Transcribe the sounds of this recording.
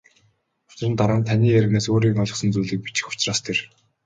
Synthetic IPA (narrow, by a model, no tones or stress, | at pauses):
ʊ̥t͡ɕrə̆nt̪aɾaːnt̪ʰaniːæɾʲɪ̆ɣnaːsoːɾiːŋɔɮɞ̆χsə̆nt͡suːɮɘ̆k̚pi̥t͡ɕɪ̥̆xʊ̥t͡ɕraːst̪ʰer